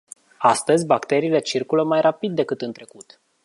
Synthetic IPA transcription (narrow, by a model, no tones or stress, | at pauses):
ast̪əzʲbakt̪e̞ɾiːle̞t͡ʃirkuləmajrʔapid̪ːe̞kɨt̪ɨnt̪ɾe̞kut̪